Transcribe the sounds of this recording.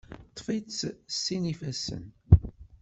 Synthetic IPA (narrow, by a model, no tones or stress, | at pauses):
t̪ˤːfit͡sːsːinifæsə̰n